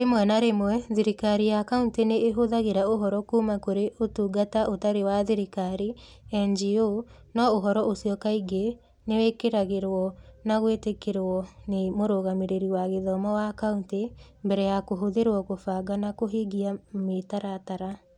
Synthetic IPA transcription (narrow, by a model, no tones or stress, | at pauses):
ɾemwɛnaɾemwɛðiɾikaɾijakaunteneːɦoðaɣeɾaoɦɔɾɔkuːmakoɾeʔotuːɡataʔotaɾewaðiɾikaɾi | ɛnd͡ʒio | nɔoɦɔɾɔʔosiɔkaiɡe | newekeɾaɣeɾwɔnaɣwetekeɾɔnemoɾoɣameɾeɾiwaɣeðɔmɔwakauntembɛɾɛjakoɦoðeɾwɔkofaɡanakoɦeɡiametaɾataɾa